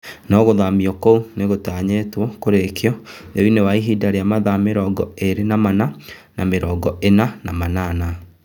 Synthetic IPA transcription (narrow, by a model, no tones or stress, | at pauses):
nɔɣoðamiɔkouneɣotaːɲetwɔkoɾekeɔ | ðewinewaiɦidaɾejamaðameɾɔːɡɔeɾenamana | nameɾɔːɡɔʔenanamanana